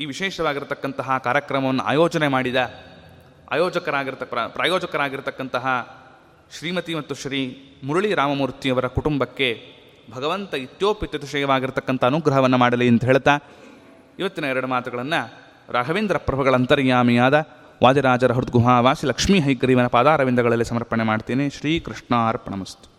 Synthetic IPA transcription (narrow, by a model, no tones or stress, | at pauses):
iːʋiʃɛːʃɐʋaːɡiɾt̪ɐkːɐnt̪ɐɦɐkaːɾjɐkɾɐmɐʋɐnːɐʔa̰ːjɔːt͡ʃɐnemaːɽid̪ɐ | a̰ːjoːd͡ʒɐkɐɾaːɡiɾt̪ɐɐpɾaːjoːd͡ʒɐkɐɾaːɡiɾt̪ɐkːɐnt̪ɐɦɐ | ʃɾiːmɐt̪imɐt̪ːuʃɾiː | muɾuɭiɾaːmɐmuːɾt̪ːijɐʋɐɾɐkuʈumbɐkːe̞ | bʱɐɡɐʋɐnt̪ɐit̪joːpit̪jɐt̪ɐʃɐjɐʋaːɡiɾt̪ɐkːɐnt̪ʰɐɐnuɡɾɐɦɐʋɐnːɐmaːɽɐliɐnt̪ɐɦeːɭt̪aː | iʋɐt̪ːinɐɛɾɐɽumaːt̪ɐɡɐɭɐnːɐ | ɾʔaːɡʱɐʋeːnd̪ɾɐpɾɐbɐɡɐɭɐnt̪ɐɾjaːmijaːd̪ɐ | ʋʔaːd̪iɾaːd͡ʒɐɾɐɦɐɾud̪̚ɡuɦaːʋaːsilɐkʂmiːɦɐjɡɾiːʋɐnɐpaːd̪aːɾɐʋind̪ɐɡɐɭɐlːisɐmɐɾpɐɳemaːɖt̪iːneʃɾiːkɾiʂʈɳaːɾpɐɳɐmɐst̪u